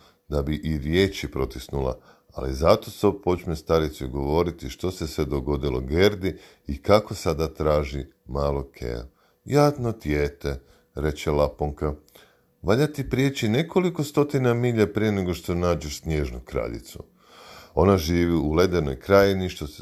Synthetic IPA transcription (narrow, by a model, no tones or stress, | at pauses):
d̪abiʔiɾje̞ːt͡ʃipɾo̞t̪isnula̰ | a̰lḭzat̪o̞sobpo̞t͡ʃnest̪aɾit̪suɡo̞ʋo̞ɾit̪iʃt̪o̞se̞sʋe̞d̪o̞ɡo̞d̪ilo̞̰ɡe̞ɾd̪i | ikako̞sad̪at̪ɾaːʒi | maːlˠo̞kʰḛa̰ | jaːt̪not̪jeːt̪e̞ | ɾe̞t͡ɕelapoŋka | ʋaʎat̪ipɾjet͡ɕine̞ko̞liko̞st̪o̞t̪inamiːʎapɾije̞neɡo̞ʃt̪o̞naːd͡ʑeʃsnʲje̞ːʒnukɾa̰ʎḭt̪sṵ | o̞naʒiːʋiule̞d̪eno̞̰jkɾajeniʃt̪os